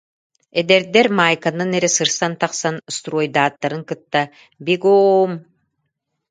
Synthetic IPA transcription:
ed̪ɛɾd̪ɛɾmajkanɯnɛɾɛsɯɾsant̪aqsanst̪rojd̪aːt̪ːaɾɯŋkɯt̪ːa | biɡoːm

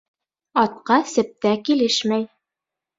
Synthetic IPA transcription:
ɒt̪̚qɑsɘ̆p̚t̪ækilɘʃmæj

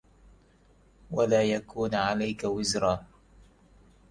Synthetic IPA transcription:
walaːjakuːnʕalajkawɪzɾɑː

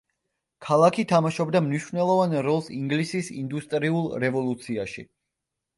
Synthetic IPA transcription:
kʰalˠakʰit̪ʰamaʃɔbd̪amniʃvnɛlˠɔvanɾɔlˠsiŋɡlisisind̪ust̪ʼɾiulˠɾɛvɔlˠut̪sʰiaʃḭ

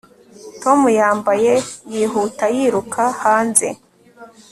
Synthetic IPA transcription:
to̞mujaːmbaje̞jiɦutajiːɾukʰahaːnze̞̰

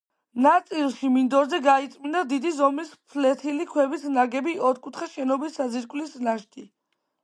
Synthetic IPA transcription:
nat̪sʼilˠʃimind̪ɔɾzɛɡait̪sʼmind̪ad̪id̪izɔmispʰlɛt̪ʰilikʰwɛbisnaɡɛbiɔɾkʼut̪ʰχɛʃɛnɔbisːaziɾkʼwlisnaʃt̪ʼi

